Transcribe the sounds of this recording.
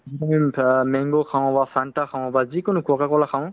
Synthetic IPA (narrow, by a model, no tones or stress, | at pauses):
iamimɛŋɡokʰaw̃ɔbasantakʰãw̃ɔbazikonʊkuɔkakɔlaxʰãw̃